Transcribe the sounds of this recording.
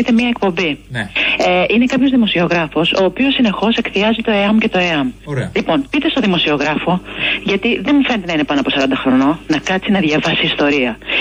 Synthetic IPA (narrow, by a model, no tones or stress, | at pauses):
it̪emiɐek̚po̞mbi | eʔine̞kɐpço̞zðimo̞sio̞ɣɾɐfo̞so̞ːpio̞sːine̞xo̞se̞kθiɐzit̪o̞eɐmce̞t̪o̞eɐmlipo̞npit̪e̞st̪o̞ðimo̞sio̞ɣɾɐfo̞ʝɐt̪iðe̞mfe̞net̪enɐine̞pɐnoɐpo̞sɐɾɐnd̪ɐxɾo̞nonɐkɐt̪sinɐðʝɐvɐsiːst̪o̞ɾiɐ